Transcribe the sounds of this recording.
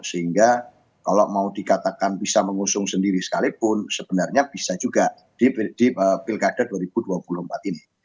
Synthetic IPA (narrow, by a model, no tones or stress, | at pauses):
səɦiŋɡa | kalomaudikat̪akanbisaməŋusʊŋsəndiɾisə̥kalipʊnsəb̥ənarɲab̥isad͡ʒuɡa | d̥ipd̥iəpɪlkad̥aduaɾib̥uduapulʊhəmpat̪ini